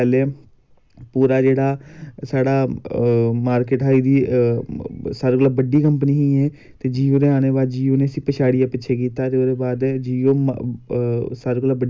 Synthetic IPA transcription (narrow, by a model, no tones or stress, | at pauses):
ɛleː | puːɾaːd͡ʒeːɽaːsaːɽaː | maːɾkɪʈɦaːiːd̪iː | saːɾɡləbbəɖiːkəmpniːɦĩːɛː | t̪eːd͡ʒiːoːd̪eːaːneːbaːd͡ʒiːoːneːəsĩːpəʃaːɽijãːpɪːʃʰeːk̬iːt̪aːt̪eːoːd̪eːbaːd̪d͡ʒiːoːm | saːɾɡləbəɖ